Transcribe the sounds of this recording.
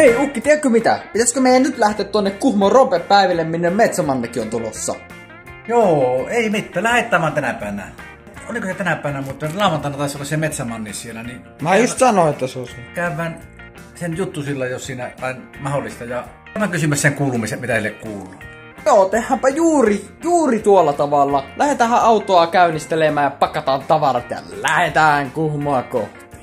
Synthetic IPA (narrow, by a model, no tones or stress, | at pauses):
eˑiukːit̪iekkømit̪æ̰pit̪æskømeˑijænnyt̪læht̪eːt̪t̪onːekkuhmorompeppæˑiʋilːemminːemmet̪sæmɑnːɑkːiont̪ulo̰sːɑ̰ | joːeˑimit̪ːæːlæhet̪ːˑæˑːmˑæːnt̪ænæpæˑeʋænæ̰ | olikoset̪ænæpæˑeʋænæmuit̪ːˑɑlɑˑoʋˑɑnt̪ɑˑnːɑt̪ɑˑesolːɑsemet̪sæmɑnːinsielæni | mæjust̪sɑnoet̪ːæseoˑsekæˑøʋːˑæˑn | senjut̪ːusilːɑjjossiːnæʋɑˑenmɑholːˑist̪ɑjɑ | ʋːˑæŋkysymːˑæsseŋkuːlumisemmit̪æsilːekkuːlˑuː | joːt̪ehːæmpæjuːrijuːrit̪uolːɑt̪ɑʋɑlːɑlæhet̪æːhæʔʔɑˑut̪oɑkæˑynist̪elemˑæːjjɑpɑkːɑt̪ɑːnt̪ɑʋɑrɑt̪jɑ̰læhet̪æːˑæŋkuhmoɑkoht̪i̥